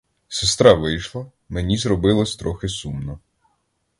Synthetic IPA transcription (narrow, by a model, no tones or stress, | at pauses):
sest̪ɾɑʋɪjʃlˠɐ | menʲizɾɔbɪlˠɔsʲt̪ɾɔxɪsumnɔ